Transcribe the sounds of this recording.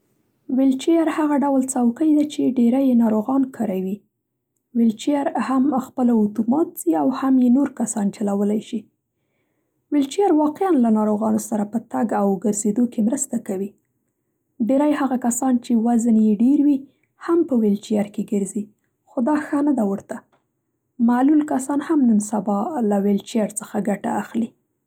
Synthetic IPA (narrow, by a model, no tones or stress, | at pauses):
wɪlt͡ʃijaɾhaɣaɖawlt͡sawkəjd̪at͡ʃeɖeɾajenɑɾoɣɑnkʰəɾawi | wɪlt͡ʃijaɾhamxpəlaʊt̪umɑt̪̚z̥iawhamjenoɾkasɑnt͡ʃalawəlajʃi | wɪlt͡ʃijaɾwɑqɪanlanɑɾoɣɑnosaɾapət̪aɡawɡəɾzed̪okemɾəst̪akawi | ɖeɾajhaɣakasɑnt͡ʃewaznjeɖeɾwi | hampəwɪlt͡ʃijaɾkeɡəɾzi | xod̪ɑxənad̪awəɾt̪a | malulkasɑnhamnənsabɑlawɪlt͡ʃjaɾt͡səxaɡaʈa̰ːxli